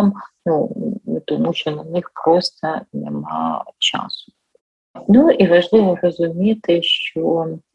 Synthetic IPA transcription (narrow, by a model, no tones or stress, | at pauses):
mnut̪ɔmuʃt͡ʃɔnɐnɪxpɾɔst̪ɐnḛmɑ̰t͡ʃɑ̰sʊ̥ | nuʔiʋɐʒlˠɪʋɔrɔzʊmʲit̪ɪʃt͡ʃɔ